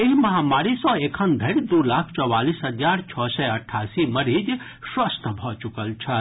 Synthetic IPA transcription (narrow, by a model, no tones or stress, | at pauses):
eɦimɐɦamaɾisɔ̃ekʰənd̪ʱəɾd̪ulakʰt͡ʃɔwalisɦəd͡ʒaɾt͡ʃʰɔsɛəʈʰːasiməɾid͡ʒ | swəst̪ʰbʱɔt͡ʃukəlt͡ʃʰə